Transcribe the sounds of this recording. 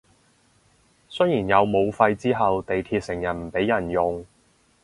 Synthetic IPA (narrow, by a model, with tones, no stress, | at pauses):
sɵ˥jiː˨˩njɐ˨˧wmo˨˧wfɐ˧jt͡siː˥ɦɐ˨wt̪e˨jt̪ʰiː˧t̚sɪ˨˩ŋjɐ˨˩nm̩˨˩pe˨˥jɐ˨˩njʊ˨ŋ